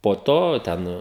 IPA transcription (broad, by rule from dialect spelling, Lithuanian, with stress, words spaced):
poː ˈtoː ˈtʲɛn